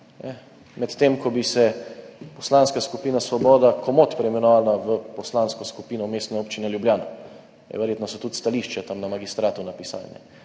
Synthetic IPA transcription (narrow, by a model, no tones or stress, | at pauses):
nɛ | mɛt̪t̪emkɔbisɛpɔslanskaskupiːnasʋɔbɔːd̪akɔmot̪pɾɛmɛnɔʋaːlaʋəpɔslanskɔskupiːnɔmeːst̪nɛoːpt͡ʃinɛljubljaːna̰ | ɛ̰ʋɛɾjeːt̪nɔsɔt̪ut̪st̪aliːʃt͡ʃɛt̪amnamaɡist̪ɾaːt̪unapisa̰lnɛ̰